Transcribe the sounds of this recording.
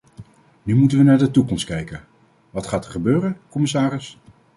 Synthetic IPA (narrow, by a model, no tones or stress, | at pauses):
nymutənʋənaːɹdətukɔmst̚kɛjkən | ʋɑtχaːtɛɹχəbøːrənkɔmɪsaːrɪs